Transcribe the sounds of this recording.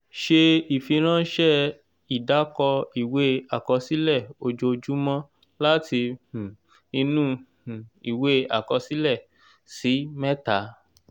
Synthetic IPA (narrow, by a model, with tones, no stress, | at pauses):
ʃe˧i˨fi˧ɾ̃ã˦ʃɛ˦ | i˨da˨˦kɔ˧i˦˨we˨˦a˨kɔ˧si˦lɛ˦˨o˧d͡ʒo˧d͡ʒu˦mɔ̃˦ | la˦ti˧hũ˨ | ĩ˧nũ˦hũ˨i˨we˦a˦˨kɔ˧si˦lɛ˦˨ | si˨˦mɛ̃˦ta˨˦